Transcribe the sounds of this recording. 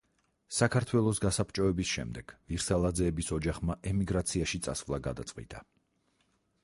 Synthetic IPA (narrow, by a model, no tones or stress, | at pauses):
sakʰaɾt̪ʰwɛlˠɔsɡasapt͡ʃʼɔɛbisʃɛ̰md̪ɛɡ̥viɾsalˠad̪zɛːbisɔd͡ʒaχmaʔɛmiɡɾat̪sʰiaʃit̪sʼa̰svlˠaɡa̰d̪at̪sʼqʼwḭt̪ʼa